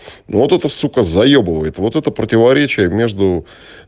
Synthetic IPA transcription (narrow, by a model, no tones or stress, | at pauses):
novot̪ɛt̪əsukəzɐjobɨvəjɪt̪vo̞t̪ɛt̪əpɾətʲɪvɐɾʲet͡ɕɪjəmʲeʐd̪ʊ